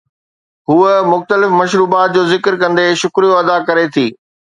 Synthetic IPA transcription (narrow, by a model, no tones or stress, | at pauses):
ɦuəmʊxt̪əlɪfmɐʃɾuːbaːt̪̚d͡ʑoːzɪkɾkɐ̃nd̪eʃʊkɾijoɐd̪akɐɾet̪ʰiː